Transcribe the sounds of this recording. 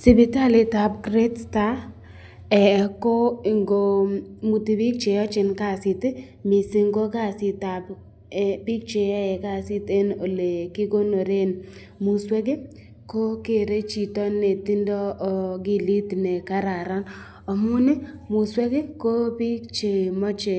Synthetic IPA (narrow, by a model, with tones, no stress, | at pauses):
sɪ˦bɪ˨ta˦lɪ˨ta˨p̚kɾe˦tsta˦ | ɛ˨ko˦i˨ŋɡo˨mu˨ti˨bi˦k̚t͡ʃe˨jɔ˦t͡ʃɪ˨nka˦˨sɪ˨te˦ | mɪ˨si˨ŋɡo˦ka˦˨sɪ˨ta˨p | bi˦k̚t͡ʃe˨jɔ˦ɛ˨ka˦si˦te˦no˨le˨ki˦ɡo˦no˨ɾe˦n | mu˨swe˦ɡe˦ | ko˦ke˦˨ɾe˦t͡ʃi˨tɔ˦ne˨ti˦ndɔ˦˨ɡi˦li˦ti˨ne˨ka˦ɾa˨ɾa˦n | ɔ˨mʊ˦nɛ˦ | mʊ˨swe˦ɡe˦ko˦pi˦k̚t͡ʃe˨mɔ˦t͡ʃe˨